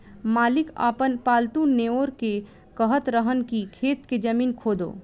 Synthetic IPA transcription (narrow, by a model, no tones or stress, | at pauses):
maːlɪka̰ːpənpaːlt̪uneːoːɾke | kəɦət̪ɾəɦənkikʰeːt̪ked͡ʒɐmiːnkʰoːd̪o̰ː